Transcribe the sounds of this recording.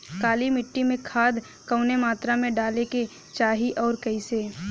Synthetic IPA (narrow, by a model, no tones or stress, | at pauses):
kaːlimɪʈːimẽkʰaːd̪ | kɐʊnemaːt̪ɾamẽɖaːleke | t͡ʃaːɦiʔɔːɾkɐɪseː